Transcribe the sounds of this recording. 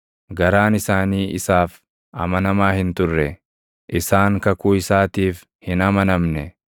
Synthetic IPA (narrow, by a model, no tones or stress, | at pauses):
ɡɐɾaːnɪsaːniːʔɪsaːf | ʔɐmɐnɐmaːhɪnt̪ʊrːɛ | ʔɪsaːŋkɐkuːɪsaːt̪iːf | hɪnɐmɐnɐmnɛ